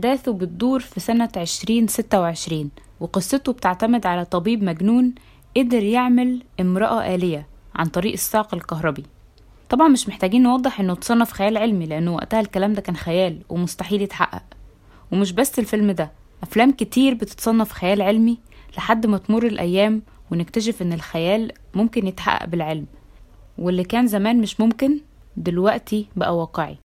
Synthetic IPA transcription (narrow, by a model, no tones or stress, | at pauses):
ħd̪æːθubet̪̚d̪uːɾfisænæʕeʃɾiːnset̪ːæweʕeʃɾiːn | weqɨsˤːet̪obet̪eʕt̪æmed̪ʕalæt̪ˤɑbiːbmæɡnuːn | ʔed̪eɾjeʕmælʔemɾɑʔɑʔæːlejæʕa̰nt̪ˤɑɾiːʔesːɑːqelkɑɦɾˤɑbi | t̪ˤɑbʕɑnmeʃmeħt̪æːɡiːnːwɑd̪ˤːeħʔenːt̪sˤɑnːɑfi̥xæjæːlʕelmileʔænːwæ̰ʔt̪æhælkælæːmd̪ækæːnxæjæːlwemost̪aħiːljet̪ħa̰ʔːæ̰ʔ | wemeʃ̬bæsːelfelmd̪æ | ʔæflæːmket̪iːɾbet̪e̥t̪sˤɑnːɑfi̥xæjæːlʕelmi | leħad̪ːmæt̪morˤːelʔæjːæːmwenek̚t̪æʃ̬efʔenːelxæjæːl | momkenjet̪ħa̰ʔːæ̰ʔbelʕelmwelːikæːnzæmæːnmeʃmomken | d̪elwæʔt̪ʰibæʔæwæːqeʕḭ